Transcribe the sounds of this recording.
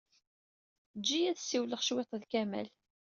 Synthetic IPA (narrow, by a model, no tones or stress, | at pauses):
d͡ʒːijæðsːiwləχʃwet̪ˤðkæmæ̰l